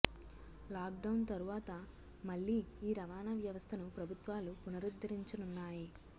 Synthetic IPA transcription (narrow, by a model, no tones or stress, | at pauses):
laːk̚ɖɐwunt̪ɐɾuʋaːt̪ɐ | mɐɭːiːiːɾɐʋaːnɐʋjɐʋɐst̪ʰɐnupɾɐbʱut̪ʋaːlupunɐɾud̪ʱːɐɾiɲt͡ʃɐnunːaːji